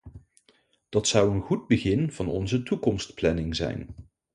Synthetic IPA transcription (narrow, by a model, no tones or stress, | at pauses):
d̥ɑtsʌwənχud̚bəχɪnv̥ɑnɔ̰nzətukɔmstplɛnɪŋzɛ̰jn